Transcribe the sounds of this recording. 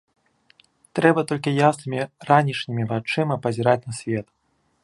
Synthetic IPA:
t̪ɾɛbɐt̪ɔlʲkʲijasnɨmʲiranʲit͡ʂnʲimʲivat͡ʂɨmɐpɐzʲɛɾat͡sʲnɐsʲvʲɛt̪

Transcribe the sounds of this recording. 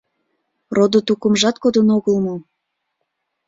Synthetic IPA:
rod̪ot̪ukəmʒɑt̪̚kod̪ənoɣəlmo

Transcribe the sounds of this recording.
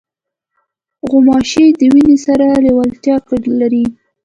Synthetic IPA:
ɣʊmɑʃed̪əwinesaɾalewalt̪jɑklaɾi

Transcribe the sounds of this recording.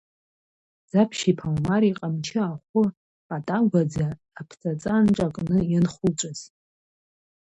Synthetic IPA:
z̥apʰʃipʰalmaɾiqʼamt͡ʃʰɪaχʷʊ | pʼatʼaɡʷad͡zaː | pʰt͡sʰʼat͡sʼanʈ͡ʂʼakʼnɨjanχʷʊlt͡ʃʷʼɨz̥

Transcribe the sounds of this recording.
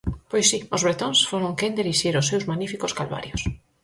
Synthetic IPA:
pojsːiʊzβɾet̪õnsfoɾoŋkend̪eɾiʃiɾʊsːewzmanifikoskalβa̰ɾjos

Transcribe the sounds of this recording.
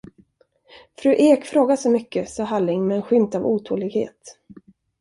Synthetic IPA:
fɾʉ̟ːʔeːkfɾoːɡasɔmʏkːəsɑːɦalːɪŋmɛːnɧʏmt̪avuːt̪ʰo̰ːlɪɡhḛːt̪

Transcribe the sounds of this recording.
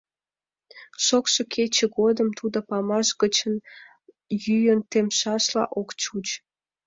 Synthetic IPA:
ʃokʃokʰet͡ɕə̆ɣod̪əmt̪ud̪ŏpɑmɑʃɣət͡ɕən | jyjənt̪emʃɑʃlɑ̰ʔokt͡ɕut͡ɕ

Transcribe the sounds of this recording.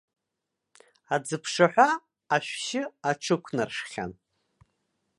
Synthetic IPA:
ad͡zɨpʰʂaħʷᶣaː | ʃʷᶣʃɪaʈ͡ʂʰɨkʷʰnɨrʂχʲa̰n

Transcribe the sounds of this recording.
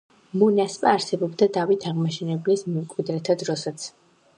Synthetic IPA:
munaspʼaːɾsɛbɔbd̪ad̪avit̪ʰaʁmaʃɛnɛblismɛmkʼwid̪ɾɛt̪ʰad̪ɾɔsat̪sʰ

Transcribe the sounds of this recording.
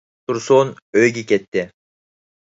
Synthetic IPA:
t̪ʰuɾsoːn | øɡʲiket̪ːɪ

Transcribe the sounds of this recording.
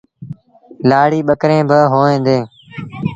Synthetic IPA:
laːɽiːɓəkɾẽːbəɦoːẽːnd̪eː

